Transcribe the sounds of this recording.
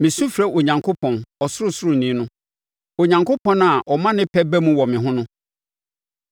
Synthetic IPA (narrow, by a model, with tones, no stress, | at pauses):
mɪ̃˨sũ˦fɾɛ˦ʔo˨ɲã˨ŋkʰo˦pʰɔ̃˨nɔ˨sʊ˦ɾʊ˦sʊ˦ɾʊ˨nĩ˨˦nʊ̃˦ | o˨ɲã˨ŋkʰo˦pʰɔ̃˦n˦a˨ʔɔ˨mã˦nɪ̃˦pʰɛ˦bæ˦mũ˦wɔ˨mɪ̃˨ɦʊ̃˦nʊ̃˦